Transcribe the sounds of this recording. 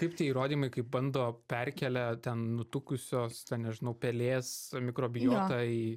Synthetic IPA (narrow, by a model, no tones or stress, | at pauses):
t̪ɐɪpt̪ʲiɛiːɾoːd̪ʲiːmɐɪkɐɪp̚bɐnd̪oːpʲɛrʲkʲɛlʲɛt̪ʲɛnnʊt̪ʊkʊsʲoːst̪ʲɛnnʲɛʒʲɪnɐʊpʲɛlʲeːsmʲɪkɾoːbʲɪjooːt̪ɑi